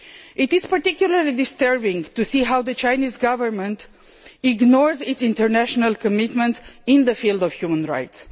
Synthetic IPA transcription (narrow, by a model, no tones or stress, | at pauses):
ʔitiz̥pəɹtikjuləɹlid̪istəɹbĩŋɡtusiɦawd̪ət͡ʃajnizɡavəɹmə̃nt | iɡnɔɹzitsĩntəɹnæʃənalkəmit̪mə̃ntsĩnd̪əfild̪ɔv̥hjumə̃nɹa̰jts